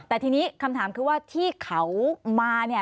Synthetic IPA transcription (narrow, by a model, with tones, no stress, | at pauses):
t̪ɛː˨˩t̪ʰiː˧niː˦˥kʰa˧mt̪ʰaː˩˦mkʰɯː˧waː˥˩t̪ʰiː˥˩kʰa˦wmaː˧ni˥˩